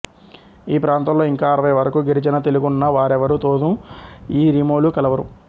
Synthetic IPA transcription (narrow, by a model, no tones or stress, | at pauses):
iːpɾaːnt̪ɐmlo̞ːiŋkaːɾɐʋɐjɐʋɐɾɐkuɡeɾit͡ʃɐnɐt̪eluɡunːɐʋaːɾɛʋɐɾut̪oːd̪uiːɾimoːlukɐlɐʋɐɾṵ